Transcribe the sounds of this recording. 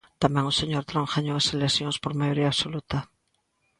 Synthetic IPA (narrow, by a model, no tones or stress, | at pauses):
t̪amɛ̃ŋoseɲoɾt̪ɾõŋxaɲoweselesjõŋspoɾmajoɾiaːβsolut̪a